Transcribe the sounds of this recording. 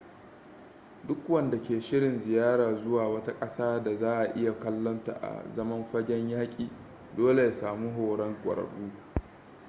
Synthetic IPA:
dʊ˦kwɐ˨nda˨kʲeː˨ʃɪ˦ɽɪ˨nzɪ˨jaː˦ɽaː˨zʊ˦waː˨wɐ˦ta˦kʼɐ˦saː˦da˨zaː˦ʔa˨ʔɪ˦ja˨kɐ˦lːɔ˦nta̰˨ʔa̰˨zɐ˦mɐ˦mɸɐ˦ɡʲɛ˦ɲjaː˦kʲʼiː˨ | doː˦le˨ja˨saː˨mu˦ɦoː˨ɽɐ˦ŋkʷʼɐ̰˨ɾɐ̰˨ɽuː˦

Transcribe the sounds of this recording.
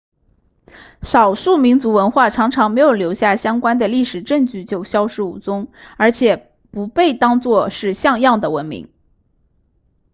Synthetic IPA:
ʂɑ˨˩ʊʂu˥˩mi˧˥nt͡su˧˥wə˧˥nxwa˥˩ʈ͡ʂʰɑ˧˥ŋʈ͡ʂʰɑ˧˥ŋme˧˥ɪjʊljo˧˥ʊɕja˥˩ɕjɑ˥ŋkwa˥nd̪ə˨li˥˩ʂɻ̩˨˩ʈ͡ʂɤ˥˧ŋt͡ɕy˥˩t͡ɕjo˥˩ʊɕjɑ˥ʊʂɻ̩˥˩ṵ˨˩t͡sʊ˥ŋə˞˧˥t͡ɕʰjɛ˨˩ | pu˧˥pe˥˩ɪt̪ɑ˥ŋt͡swɔ˥˧ʂɻ̩˥˧ɕjɑ˥˧ŋjɑ˥˩ŋd̪ə˩wə˧˥nmḭ˧˥ŋ

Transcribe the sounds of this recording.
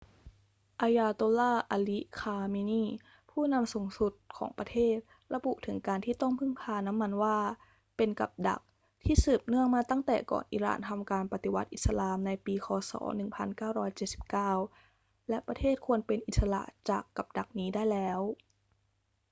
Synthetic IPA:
ʔa˧jaː˧t̪oː˧laː˥˩ʔa˧li˦˥kʰaː˧mi˧niː˥˩ | pʰuː˥˩na˧msu˨˩˦ŋsu˨˩t̪̚kʰɔ̰ː˩˦ŋpɾa˧t̪ʰeː˥˩t̪̚ | ɾa˧bu˨˩ʔt̪ʰɯ˩˦ŋkaː˧nt̪ʰiː˥˩t̪ɔ˥˩ŋpʰɯ˥˩ŋpʰaː˧na˦˥mːa˧nwaː˥˩ | pe˧nka̰˨˩p̚da̰˨˩k̚ | t̪ʰiː˥˩sɯː˨˩p̚nɯ˥˩əŋmaː˧t̪a˥˩ŋt̪ɛ̰ː˨˩kɔ̰ː˨˩nʔḭː˨˧˦ɾa̰ː˨˩nt̪ʰa˧mkaː˧npa˧˩t̪i˨˩wa˦˥t̪̚ʔi˨˩t̪sa˧laː˧mna˧jpiː˧kʰɔː˧sɔ̰ː˩˦nɯ˨˩ŋpʰa˧nkaː˥˩wɾɔː˦˥jt͡ɕe˨˩t̪̚si˨˩p̚kaː˥˩w | lɛ˦˥ʔpɾa˧t̪ʰeː˥˩t̪̚kʰu˧ənpe˧nʔi˨˩t̪̚sa˧la̰˨˩ʔt͡ɕaː˨˩kːa˨˩p̚da˨˩k̚niː˦˥daː˥˩jlɛː˦˥w

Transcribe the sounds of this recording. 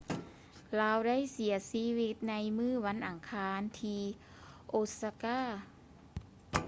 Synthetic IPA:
laː˧˥wda˥˩jsi˨˩˦ɐsiː˧˥wi˧t̪̚na˧˥jmɯː˥˩wa˧˥nʔa˨˩ŋkʰaː˧˥nt̪ʰiː˧ | ʔoː˧sa˧kaː˥˩

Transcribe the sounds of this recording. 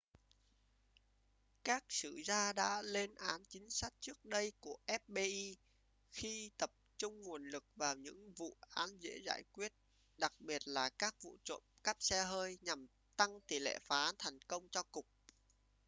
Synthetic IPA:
kaː˦˥k̚sɨ˧˩zaː˧ɗa̰ː˧˥le˧nʔaː˨˦nt͡ɕï˨˦ŋ̟sa˦˥k̚t͡ɕɨ˦˥ək̚ɗə˧jku˧˩əʔɛ˦˥p̚ɓe˧ʔi˧ | xi˧t̪ə˨˩p̚t͡ɕʊ˧ŋ͡mŋu˨˩ənlɨ˨˩k̚vaː˨˩wɲɨ̰˧˥ŋvṵ˧˨ʔaː˨˦nzḛ˧˥zaː˧˩jkwi˦˥ət̚ | ɗa˨˩k̚ɓi˨˩ət̚laː˨˩kaː˦˥k̚vṵ˧˨t͡ɕo̰˧˨mka˦˥p̚sɛ˧ɦəː˧jɲa˨˩m | t̪a˧ŋt̪i˧˩lḛ˧˨faː˨˦ʔaː˨˦nt̪ʰɛ˨˩jŋ̟kə˧wŋ͡mt͡ɕɔ˧kʊ˨˩k͡p̚

